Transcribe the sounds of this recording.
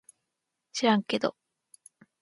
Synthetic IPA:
ɕiɾãŋke̞d̪o̰

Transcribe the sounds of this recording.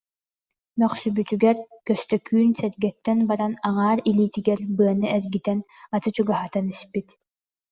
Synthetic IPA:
mœχsybyt̪yɡɛɾkœst̪œkyːnsɛɾɡɛt̪ːɛnbaɾanaŋaːɾiliːt̪iɡɛɾbɯɐnɯʔɛɾɡit̪ɛn | at̪ɯt͡ɕuɡaɦat̪anispit̪

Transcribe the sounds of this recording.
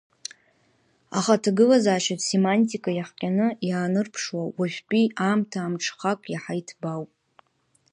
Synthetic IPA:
a̰χatʰaɡɨlazaːʃatsemantʼikʼajaħqʲʼanɨjaːnɨrpʰʂwawaʒʷᶣpʼiʔamtʰaːmʈ͡ʂʰχakʷʼjaħajtʰbawpʼ

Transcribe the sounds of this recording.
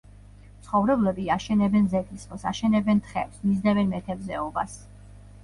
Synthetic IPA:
t̪sʰχɔvɾɛblɛbiaʃɛnɛbɛnzɛt̪ʰisχɔsaʃɛnɛbɛnt̪ʰχɛ̰psmizd̪ɛvɛnmɛt̪ʰɛbzɛɔbas

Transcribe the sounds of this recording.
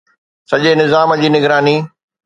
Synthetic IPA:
sɐʄenɪzaːməd͡ʑiːnɪɡɾaːniː

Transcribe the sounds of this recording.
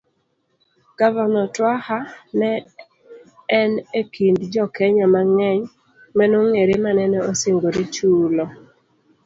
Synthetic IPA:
ɡ̥avanɔtwahanɛ | nekindd͡ʒɔkɛɲamaŋɛɲ | manʊŋeɾemanɛnɛoseŋɡoɾit͡ʃulɔ

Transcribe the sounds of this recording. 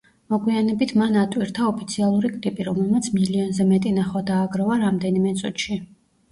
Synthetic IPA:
mɔɡwianɛbit̪ʰmanat̪ʼwiɾt̪ʰaɔpʰi̥t̪sʰialˠuɾikʼlipʼiɾɔmɛlˠmat̪sʰmiliɔnzɛmɛt̪ʼinaχad̪aːɡɾɔvaɾamd̪ɛnimɛt̪sʼut̪ʃi

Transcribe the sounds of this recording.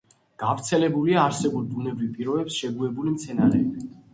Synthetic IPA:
ɡ̥avɾt̪sʰɛlɛbuliaːɾsɛbuld̪unɛbɾivpʼiɾɔbɛpsʃɛɡuɛbulimt̪sʰɛnaɾɛːbi

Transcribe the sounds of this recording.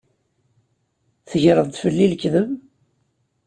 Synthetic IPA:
θəʝɾəðˤt̪fəlːilkðəm

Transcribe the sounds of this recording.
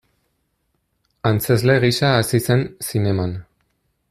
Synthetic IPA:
ant͡se̞zle̞ɣiʃaːsise̞nsine̞man

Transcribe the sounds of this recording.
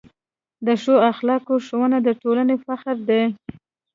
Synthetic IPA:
d̪əʃoaxlɑkoʃowənad̪əʈolanefaxɾd̪e

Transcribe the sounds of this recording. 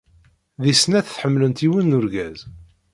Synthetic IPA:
ðisnæθθħəmːlənt̪iwənːʊɾɡæz

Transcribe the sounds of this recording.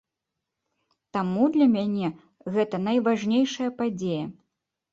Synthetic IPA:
t̪amud̪lʲɐmʲanʲɛ | ɣɛt̪ɐnɐjvaʐnʲejʂɐjɐpad͡zʲejɐ

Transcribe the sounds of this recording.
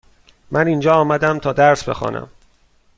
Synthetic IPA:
mʔæniːnd͡ʒɒːɒːmæd̪æmt̪ʰɒːd̪æɾsbe̞̰xɒ̰ːnʔæ̰m

